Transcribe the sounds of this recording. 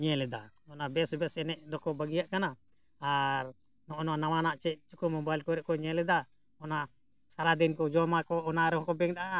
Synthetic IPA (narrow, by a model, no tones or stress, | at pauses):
ɲɛlɛd̪aɔnabɛsɔbɛsɛnɛʔd̪ɔkɔbaɡijaʔkana | aɾ | nɔʔɔnɔanawanaʔt͡ʃɛʔt͡ʃukumɔmbalkɔɾɛʔkɔɲɛlɛd̪a | ɔna | saɾad̪ɛnkɔd͡ʒɔmakɔɔnaɾɛhɔkɔbɛŋdaʔa